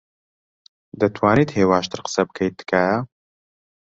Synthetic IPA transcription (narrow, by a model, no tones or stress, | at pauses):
d̪ɐt̪ʰwaːniːt̪heːwaːʃt̪ʰɨɾqə̥sɐbɨkʰɐjt̪̚d̪ɨ̥kʰa